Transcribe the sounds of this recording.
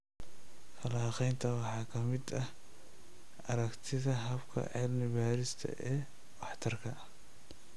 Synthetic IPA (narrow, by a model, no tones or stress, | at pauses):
fɐlaːqɛjnt̪ʰɐwɑħɑːkʰɐmɪd̪ɐh | ʔɐɾɐkt̪ʰɪðɐɦɐbkʰɐ̰ʕɛːlnɪβaːɾɪst̪ʰɐ̰ʔɛː | wɑħt̪ʰɐrkʰɐ